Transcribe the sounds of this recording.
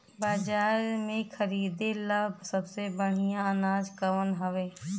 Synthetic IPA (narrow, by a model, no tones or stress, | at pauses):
baːd͡ʒaːɾmẽkʰəɾiːd̪eləbʱsəbsebəɽ̤ijãənaːd͡ʒkəʋənɦɐʋeː